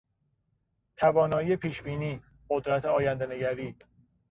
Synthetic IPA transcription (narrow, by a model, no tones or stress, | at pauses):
t̪ʰævɒːnɒːjije̞pʰiːʃbiːniː | ɢod̪ɾæt̪ʰeɒːjænd̪ene̞ɟæɾiː